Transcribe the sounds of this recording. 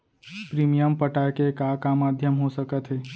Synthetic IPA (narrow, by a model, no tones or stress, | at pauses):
pɾimijəmpəʈajkekakamaːd̪ʱjəmɦosəkət̪ɦeː